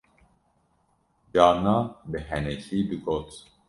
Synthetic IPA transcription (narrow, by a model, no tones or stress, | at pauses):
jɑːnɑːbɨɦɛnɛcʰiːbɨɡoːt̪